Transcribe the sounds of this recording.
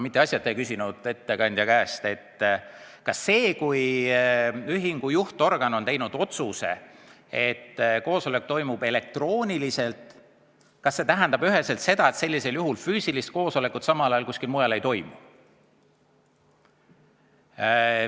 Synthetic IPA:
mit̪ːˑeɑsʲjɑt̪ːˑejkysʲinud̪̥e̞t̪ːe̞kɑnʲd̪̥jɑkæːst̪e̞t̪ː | kɑsːe̞ːkuj | yɦiŋɡ̥ujuht̪o̞rɡ̥ɑno̞nt̪e̞jnud̪o̞t̪suse̞̰ | e̞t̪ːko̞ːso̞lekːt̪o̞jmub̥e̞le̞k̚t̪ro̞ːnʲilise̞lt̪ˑ | kɑsːe̞t̪æɦɛnd̪ɑb̥yɦe̞se̞lt̪se̞d̪ɑe̞t̪se̞lːise̞ljuɦulfyːsilist̪̚ko̞ːso̞le̞kut̪sɑmɑlɑjɑlkusʲkilmujɑle̞jt̪o̞jmu

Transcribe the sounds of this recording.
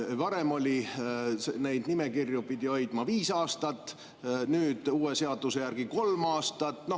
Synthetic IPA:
vɑɾe̞mo̞lʲisene̞jd̪nime̞kirjupid̪̥ʲio̞jd̪̥mɑviːsɑːst̪ɑt̪ːˑ | nyːd̪̥uːe̞se̞ɑd̪use̞jærɡ̥iko̞lmɑːst̪ɑt̪ˑːno̞

